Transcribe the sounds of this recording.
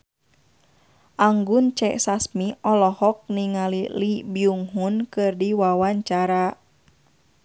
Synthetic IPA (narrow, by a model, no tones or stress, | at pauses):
ʔaŋɡunt͡ʃɛʔsasmiʔɔlɔhɔk̚niŋalilibiuŋɦunkɨrdiwawaɲt͡ʃaɾa